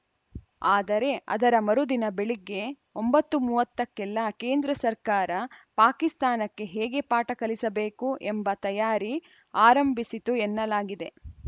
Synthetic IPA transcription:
aːd̪ɐɾe̞ɐ̰d̪ɐɾɐmɐɾud̪inɐbe̞ɭiɡːe̞ | o̞mbɐt̪ːumuːʋɐt̪ːɐkːɛlːɐkeːnd̪ɾɐsɐɾkaːɾɐpaːkist̪aːnɐkːe̞ɦɛːɡe̞paːʈɐkɐlisɐbe̞ːkuʔembɐt̪ɐjaːɾi | aːɾɐmbʱisit̪uɛnːɐlaːɡid̪e̞

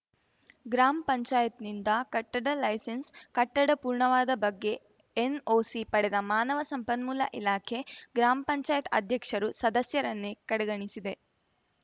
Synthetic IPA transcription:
ɡɾaːmɐpɐɲt͡ʃaːjɐt̪nind̪ɐkɐʈːɐɽɐlɐjsenskɐʈːɐɽɐpuːɾɳɐʋaːd̪ɐbɐɡːe̞ː | noːsipɐɽɛd̪ɐmaːnɐʋɐsɐmpɐnmuːlɐ̰ʔilaːkʰe̞ɡɾaːmɐpɐɲt͡ʃaːjɐt̪ɐ̰d̪ʱjɐkʂɐɾusɐd̪ɐsjɐɾɐnːekɐɽeɡɐɳisid̪e̞

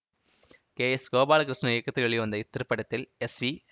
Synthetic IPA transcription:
keːɛsɡoːbaːlɐkɾɪʂnɐɪjɐkːɐt̪ːɪlɐɭiʋɐnd̪ɐɪt̪ːɪɾɯpːɐɽɐt̪ːɪlɛsʋi

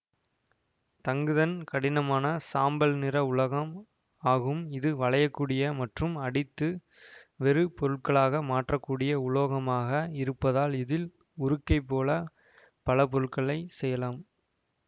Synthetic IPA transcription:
t̪ɐŋɡɯðɐnkɐɽɪnɐmaːnɐsaːmbɐlnɪɾɐʊɭɐɣɐm | aːɣɯmɪðɯʋɐɭɐjɐkːuːɽɪjɐmɐʈrɯmɐɽɪt̪ːɯ | ʋɛɾɯpɔɾɯɭkɐɭaːɣɐmaːʈrɐkːuːɽɪjɐʊɭoːɣɐmaːɣɐɪɾɯpːɐðaːlɪðɪl | ʊɾɯkːɐɪpːoːlɐ | pɐɭɐp̬ɔɾɯɭkɐɭɐɪsɛjɐlaːm

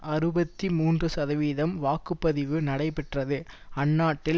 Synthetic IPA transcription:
ɐɾɯbɐt̪ːimuːndrɯsɐðɐʋiːðɐmʋaːkɯpːɐðɪʋɯnɐɽɐɪpɛʈrɐðɯɐnːaːʈːɪ

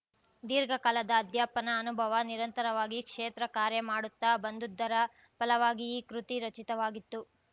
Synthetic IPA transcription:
d̪iːɾɡʱɐkaːlɐd̪ɐːd̪jaːpɐnɐːnubʱɐʋɐniɾɐnt̪ɐɾɐʋaːɡikʂeːt̪ɾɐkaːɾjɐmaːɽut̪ːɐbɐnd̪ud̪ːɐɾɐ | pɐlɐʋaːɡijkɾut̪iɾɐt͡ʃit̪ɐʋaːɡit̪ːu

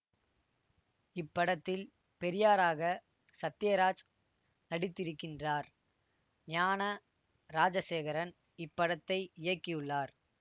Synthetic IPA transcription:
ɪpːɐɽɐt̪ːɪl | pɛɾɪjaːɾaːɣɐ | sɐt̪ːɪjɐɾaːd͡ʒ | nɐɽɪt̪ːɪɾɯkːɪndraːɾ | ɲaːnɐ | ɾaːd͡ʒɐseːɣɐɾɐn | ɪpːɐɽɐt̪ːɐɪɪjɐkːɪjɯɭːaːɾ

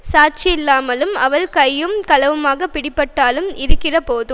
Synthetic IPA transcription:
saːʈt͡ʃɪjɪlːaːmɐlɯmɐʋɐɭkɐjːɯmkɐlɐʋɯmaːɣɐpːɪɽɪpːɐʈːaːlɯmɪɾɯkːɪrɐpoːðɯ

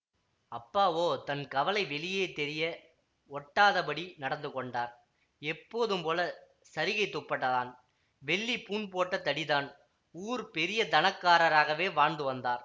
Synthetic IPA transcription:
ɐpːaːʋoːt̪ɐnkɐʋɐlɐɪʋɛlɪjeːt̪ɛɾɪjɐ | ɔʈːaːðɐpɐɽinɐɽɐnd̪ɯkːɔɳɖaːɾ | ɛpːoːðɯmpoːlɐ | sɐɾɪɣɐɪt̪ːɔpːɐʈːɐðaːn | ʋɛɭːipuːnpoːʈːɐt̪ːɐɽɪðaːn | uːɾpɛɾɪjɐd̪ɐnɐkːaːɾɐɾaːɣɐʋeːʋaːnd̪ɯʋɐnd̪aːɾ

